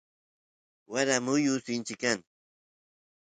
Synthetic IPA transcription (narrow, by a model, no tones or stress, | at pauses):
waɾamʊjʊsɪnt͡ʃɪkan